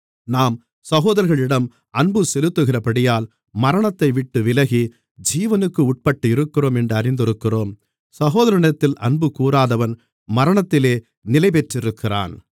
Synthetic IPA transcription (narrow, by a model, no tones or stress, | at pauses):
naːm | sɐɣoːðɐɾɣɐɭɪɽɐm | ʔɐɳbɯsɛlɯt̪ːɯɣɪrɐpɐɽɪjaːl | mɐɾɐɳɐt̪ːɐɪʋɪʈːɯʋɪlɐɣi | d͡ʒiːʋɐnɯkːɯʊʈ̚pɐʈːɯɪɾɯkːɪroːmɛndrɐɾɪnd̪ɪɾɯkːɪroːm | sɐɣoːðɐɾɐɳɐt̪ːɪlʔɐnbɯkuːɾaːðɐʋɐn | mɐɾɐɳɐt̪ːɪleː | nɪlɐɪpɛʈrɪɾɯkːɪra̰ːn